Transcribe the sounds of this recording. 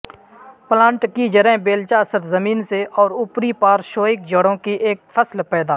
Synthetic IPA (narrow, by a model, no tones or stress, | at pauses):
plãːɳʈkid͡ʒəɾɛ̃ːbeːlt͡ʃaːsəɾt̪zəmiːnseʔɔːɾʊpɾipaːɾʃoːɪk̚d͡ʒəɽõkiʔeːk̚fʰəslpɛːd̪aː